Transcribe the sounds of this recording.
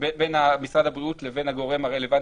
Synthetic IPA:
ebenamisʁadabʁiutleve̞nhaɡo̞ʁe̞maʁe̞le̞van

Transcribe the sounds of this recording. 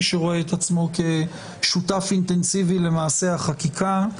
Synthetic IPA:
ʃeʁo̞eːt̪at͡smo̞ke̞ | ʃutafint̪e̞nsivile̞maːse̞aχakikʰa

